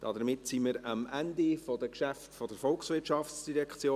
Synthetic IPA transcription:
d̥ɑd̪əɾmɪtsiməɾɑmænd̪ifɔd̥əkʃæftfɔd̥əɾfɔlksʋɪtʃɑfsd̥iɾɛkʰt͡sjoː

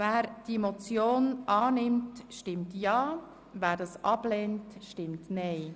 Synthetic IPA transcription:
væːɾd̥imot͡sjoːnʔɑːnɪmtʃtɪmtjɑː | væːɾdɑːsʔɑb̥lɛːntʃtɪmtnɛɪ

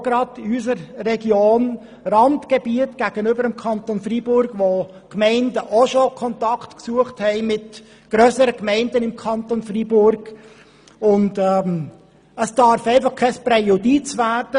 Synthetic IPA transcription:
ɡɾɑdɪys̬əɾːɛɡjoːn | rɑntɡ̥ebiətɡ̥æːɡ̥ənʏbəɾəmkʰɑntonfribʊɾɡ̥ʋo | kmɛɪndəʔoʃokʰɔntɑktksuəχthɛɪmɪt | ɡ̥ɾøːsəɾəkmɛɪndənɪmkʰɑntonfribʊɾɡ̥ | ʊndɛm | əsd̥ɑɾfɛɪfɑχkʰɛspɾɛjodit͡svæːɾd̥ə

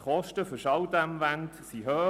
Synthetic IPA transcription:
χɔʃtəføʃɑwd̪æmvænt̪siɦœː

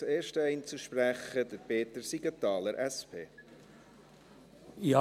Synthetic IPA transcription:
eːɾʃtəɛɪnt͡suʃpræχəd̪əɾpeːt̪əɾsiɡɑt̪ɑːləɾʔɛspʰeː | jɑ

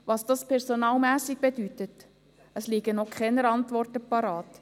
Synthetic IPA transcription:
ʋɑsd̥ɑspʰɛɾsonɑːlmæːsiɡ̚b̥edytət | əsliːɡənɔkχɛnəɾɑntvɔrtəpɑɾɑːt

